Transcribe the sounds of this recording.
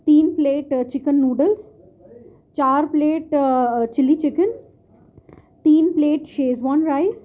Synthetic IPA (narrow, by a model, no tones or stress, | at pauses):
t̪iːnpleːʈt͡ʃɪkənːuːɖəls | t͡ʃaːɾpleːʈt͡ʃɪlːit͡ʃɪkən | t̪iːnpleːʈʃeːzʋãːnɾaɪz